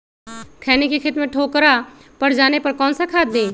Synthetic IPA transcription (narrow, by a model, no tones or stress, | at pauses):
kʰɛːnekekʰɪt̪mẽʈʰoːkəɾa | pəɾd͡ʒaːnepəɾkɔ̃ːnsakʰaːd̪nẽː